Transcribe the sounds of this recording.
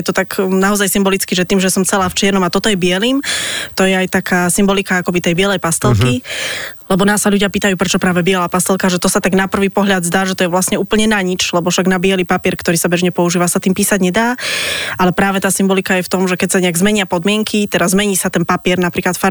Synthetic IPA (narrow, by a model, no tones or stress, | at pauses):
jɛt̪ɔt̪aɡnaɔzajsimbɔlit͡skiʒɛt̪iːmʒɛsɔmt͡sɛlaːft͡ʃɪɛɾnɔmat̪ɔt̪ɔjɛbɪɛliːmt̪ɔjɛajt̪akʰaːsimbɔlikaakɔbit̪ɛjbɪɛlɛjpast̪ɛlkilɛbɔnaːsːaʎuɟɪapiːt̪ajuːpɾɛt͡ʃɔpɾaːʋɛbɪɛlaːpast̪ɛlˠkaʒɛt̪ɔsat̪aɡnapr̩ʋiːpɔɦʎad̪zd̪aːʒɛt̪ɔjɛʋlasɲɛuːpl̩ɲɛnaɲit͡ʃlɛbɔfʃaɡnabɪɛlipapɪɛɾkt̪ɔɾiːsabɛʒɲɛpɔuʒiːʋasat̪iːmpiːsaɟɲɛd̪aːʔalɛpɾaːʋɛt̪aːsimbɔlikajɛft̪ɔmʒɛkɛcsaɲɛaɡzmɛɲɪapɔd̪mɪɛŋkʰit̪ɛɾazmɛɲiːsat̪ɛnpapɪɛɾnapɾiːklat̪faɾ